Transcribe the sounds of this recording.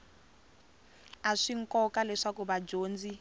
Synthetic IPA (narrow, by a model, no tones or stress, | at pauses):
aʂiŋ̩kɔkalɛʂakuɓad͡ʒoːnd͡zi